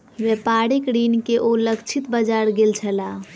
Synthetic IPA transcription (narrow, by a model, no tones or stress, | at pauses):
ʋepaɾikɾinkeʔoləkt͡ʃʰit̪bəd͡ʒaɾɡelt͡ʃʰəla